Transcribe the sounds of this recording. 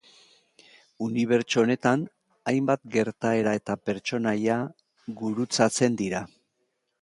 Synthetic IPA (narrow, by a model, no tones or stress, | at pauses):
uniβ̞e̞ɾt͡ʃone̞t̪an | ajmbat̪ɡe̞ɾt̪ae̞ɾae̞t̪ape̞ɾt͡ʃo̞naja | ɡuɾut͡sat͡se̞nd̪iɾa